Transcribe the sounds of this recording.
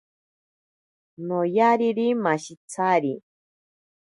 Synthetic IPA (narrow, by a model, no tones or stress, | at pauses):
nojaɾiɾimaʃit͡sʰaɾi